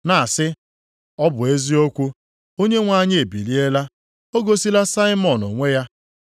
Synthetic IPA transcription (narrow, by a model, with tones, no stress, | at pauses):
na˨sɪ˦ | ɔ˦bʊ˨e˦zi˦o˦kʷu˦ | o˦ɲe˦ŋʷa˦ɲɪ˦e˨bḭ˨li˦e˦la˦ | o˦ɡo˦si˦la˦sa˦ɪ˦mɔ˨no˨ŋʷe˦ja˦